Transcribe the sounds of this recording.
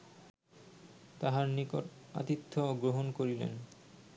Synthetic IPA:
t̪aɦaɾniko̰ʈa̰t̪it̪ʰːoɡɾoɦonkoɾilḛn

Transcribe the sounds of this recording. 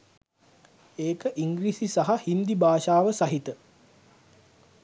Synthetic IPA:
eːkəʔiŋɡɾisisaɦahind̪ibaːʃaːʋəsaɦit̪ə

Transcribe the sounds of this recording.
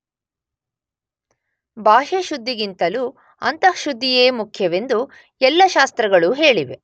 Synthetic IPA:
bʱaːʃeʃud̪ʱːiɡint̪ɐlu | ɐnt̪ɐʃud̪ʱːijeːmukʰjɐʋe̞nd̪u | ɛlːɐʃaːst̪ɾɐɡɐɭuɦe̞ːɭiʋe

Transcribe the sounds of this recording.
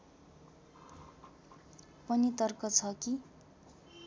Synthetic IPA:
pʌnit̪ʌrkʌt͡sʰʌki

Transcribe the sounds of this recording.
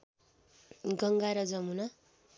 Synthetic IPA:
ɡʌŋɡaɾʌd͡zʌmuna

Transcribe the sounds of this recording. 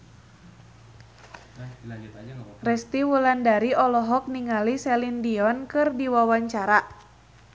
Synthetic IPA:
rɛst̪iwulandaɾiɔlɔɦɔk̚niŋalisɛlindiɔnkɨrdiwawaɲt͡ʃaɾa

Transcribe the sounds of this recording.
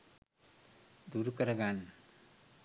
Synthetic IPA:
d̪uːɾukɐɾɐɡan

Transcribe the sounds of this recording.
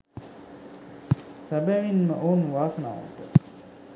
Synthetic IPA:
sæbæʋinməʔoːnʋaːsəna̰ːo̰t̪ə

